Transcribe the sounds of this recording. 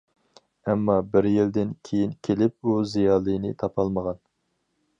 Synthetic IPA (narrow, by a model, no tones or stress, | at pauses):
ɛmːɑbɪɾjild̪ɪnkʲʰejinkʲʰelɪp̚uzijɑːlˠɨjnɨt̪ʰɑpʰɑlˠməʁɑn